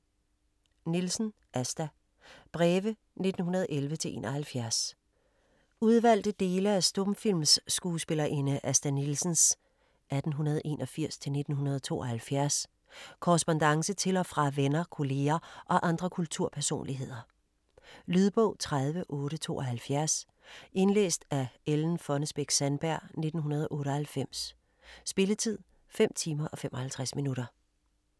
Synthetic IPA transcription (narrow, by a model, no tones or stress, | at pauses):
nilsən̩ | ʔæsd̥æ | b̥ʁɛːʋə | ne̝d̥n̩ɦunɐð̞ˠʔelʋət͡sʰe̝lʔe̝̰ːnʔɒhælfjæɐs | uð̞ˠʋæl̰d̥əd̥e̝ːləæsd̥ɔ̽mfil̰msːɡ̥uːsb̥e̝lɐʔe̝nəʔæsd̥ænilsən̩s | ʔæd̥n̩ɦunɐð̞̩ˠʔe̝̰ːnʔɒ̽fiɐ̰st͡sʰe̝lne̝d̥n̩ɦunɐð̞ˠt͡sʰo̝̰ːʔɒ̽hælfjæɐs | kʰɔʁɛsb̥ɒ̽nd̥ɑ̈ŋsət͡sʰe̝lɒ̽fʁɑ̈ʋenɐkʰo̝le̝ːɐʔɒ̽ʔɑ̈nd̥ʁɐkʰult͡sʰuɐ̰pʰæɐso̝̰ːnliɦe̝ð̞̰ˠɐ | lyð̞ˠb̥ɔʊ̰t͡sʰʁaðˠʋəʔɔ̽ːɾət͡sʰo̝̰ːʔɒ̽ɦælfjæɐs | e̝nlḛːsd̥æeln̩fɒ̽nəsb̥eɡ̥sænb̥æɐ̰ne̝d̥n̩ɦunɐð̞ˠʔɔ̽ːɾɒ̽hælfem̰sː | b̥e̝lət͡sʰið̞̰ˠ | fem̰t͡sʰiːmɐʔɒ̽femʔɒ̽hælt͡sʰʁasminuɾɐ